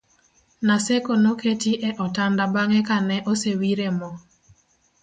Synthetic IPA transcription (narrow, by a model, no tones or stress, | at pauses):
nasekonoketiʔɛʔɔtandabaŋɛkanɛʔosewiɾemɔ